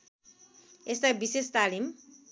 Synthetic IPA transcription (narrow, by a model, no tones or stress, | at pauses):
est̪ajbisest̪alim